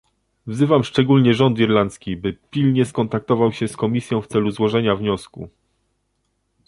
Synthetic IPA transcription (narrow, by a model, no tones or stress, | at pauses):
vzɘvamʂt͡ʂɛɡulɲɛʐɔnt̪iɾlant̪skʲibɘpʲilɲɛskɔnt̪ak̚t̪ɔvawɕɛskɔmʲisʲjɔ̃w̃ft̪sɛluzwɔʐɛɲavɲɔskṵ